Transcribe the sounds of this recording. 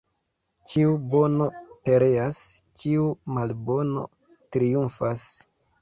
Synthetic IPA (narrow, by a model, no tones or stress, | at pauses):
t͡ʃiubo̞no̞pe̞ɾe̞ast͡ʃiumalbo̞no̞̰ | tɾijunfas